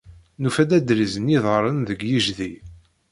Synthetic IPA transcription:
nufæd̪æd̪ɾizəniðˤəɾˤənðəɡjiʒði

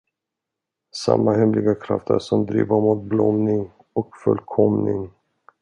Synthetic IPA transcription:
sa̰mːahɛmlɪɡakʰɾaft̪ə̰ʂɔmd̪ɾiːvaɾmut̪̚blɔmnɪŋ | ɔkfɵlːkʰɔmnɪŋ

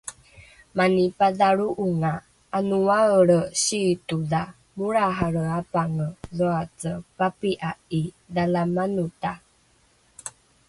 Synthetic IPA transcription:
manipaðaɾuʔuŋaː | nuaəɾəɕituda | muɾaɦaɾəapaŋəðoat͡səpapiʔai | dalamanuta

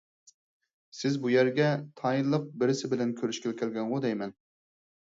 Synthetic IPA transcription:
sɪzbujæɾɡʲɛt̪ʰɑjinlˠəq̚bɪɾɪsɪbɪlɛnkʲʰøɾyʃkʲɛlkʲʰɛlɡʲɛnʁʊd̪ɛjmɛn

